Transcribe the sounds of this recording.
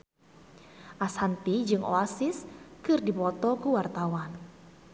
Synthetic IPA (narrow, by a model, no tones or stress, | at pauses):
ʔasant̪id͡ʒɨŋʔɔ̰asiskɨrdipɔt̪ɔkuwart̪awan